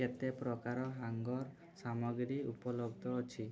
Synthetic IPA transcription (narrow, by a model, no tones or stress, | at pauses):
et̪epɾɔkaɾɔɦaŋɡɔɾ | samɔɡɾiupɔlɔɡd̪ʱɔot͡ʃʰi